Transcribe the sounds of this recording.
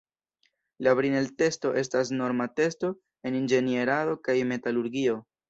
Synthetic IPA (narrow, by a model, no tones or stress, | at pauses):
laβɾinelte̞sto̞ʔe̞stas̬no̞ɾmate̞sto̞ | e̞nind͡ʒe̞nie̞ɾado̞kajme̞taluɾɡio̞